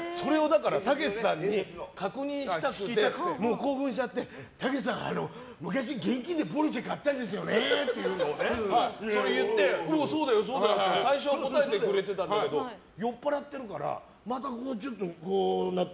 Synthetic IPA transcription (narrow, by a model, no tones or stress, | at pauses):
so̞ɾe̞o̞d̪akaɾat̪aɡe̞ssãɲ̟ːikakɯ̟ɲ̟ĩɰ̃ɕi̥t̪akɯ̥iekɯmoːko̞ːɸɯ̟̃ɰ̃ɕ̬it͡ɕat̪ːe̞t̪aɡe̞sãa̰no̞̰ | mɯ̟kaɕ̬iɡẽ̞ŋkʲĩnd̪epo̞ɾɯt͡ɕikat̪ːãnd̪e̞s̬ɨjo̞nett̪ːejɯːnoeso̞ɾejɯ̟t̪ːe̞oso̞ːd̪ajo̞so̞ːd̪assaiɕoako̞t̪aet̪e̞kɯ̟ɾe̞t̪e̞t̪ãnake̞d̪o̞ | jo̞pːaɾat̪ːe̞ɾɯ̟kaɾa̰ | mat̪akoːt͡ɕo̞t̪ːokoːna